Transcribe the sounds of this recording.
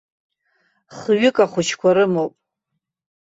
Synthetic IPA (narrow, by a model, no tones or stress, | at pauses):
χɥɪkʼaχʷʊt͡ʃʰkʷʰaɾɨmowpʼ